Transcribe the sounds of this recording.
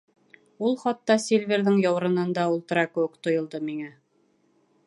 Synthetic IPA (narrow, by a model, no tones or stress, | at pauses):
ulˠχɑt̪ːɑsʲelʲvʲeɾðɘŋjɑwɾɤ̆nɤ̆nd̪ɑulˠt̪ɤ̆ɾɑkɘwɘkt̪ŏjŏlˠd̪ɤmiŋæ